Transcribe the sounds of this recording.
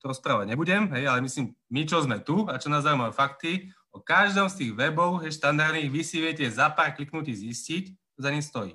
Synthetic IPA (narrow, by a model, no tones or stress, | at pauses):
t̪ɔɾɔspɾaːʋaɟɲɛbuɟɛmɦɛjalɛmisliːmmit͡ʃɔzmɛt̪uat͡ʃɔnazaːumajufakt̪i | ɔkaʒd̪ɔːmst̪iːɣʋɛbɔʊɦɛjʃt̪and̪aɾd̪niːɣʋisiʋɪɛcɛzapaːɾkliknuciːɣziscic | t͡ʃɔzaɲist̪ɔjḭː